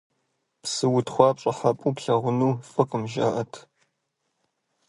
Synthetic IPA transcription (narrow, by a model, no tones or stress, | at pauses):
psɨwʊtχʷɑːpɕʼɐħapʼuːpɬɐʁʷʊnuːfʼɨkʼɨmʒa̰ʔɐtʰ